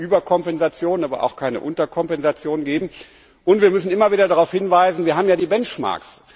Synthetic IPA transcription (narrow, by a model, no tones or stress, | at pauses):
ʔyːbɐkʰɔmpɛnzat͡sjoːnənaːbɐ̰ʔa̰ʊxkʰaɪnə̰ʔʊntɐkʰɔmpɛnzat͡sjoːnənɡeːbm̩ | ʔʊntv̥iːɐmʏsn̩ɪmɐviːdɐdaʁaʊfhɪnvaɪzn̩viːɐɦaːbm̩jaːdiːbɛnt͡ʃma̰ːɐks